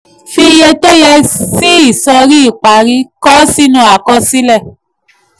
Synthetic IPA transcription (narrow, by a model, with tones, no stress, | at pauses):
fi˧jɛ˧to˦jɛ˧si˦i˦˨sɔ˧ɾi˦i˦˨k͡pa˨ɾi˧˦kɔ˦si˦nũ˧˦a˨kɔ˧˦si˦lɛ˦˨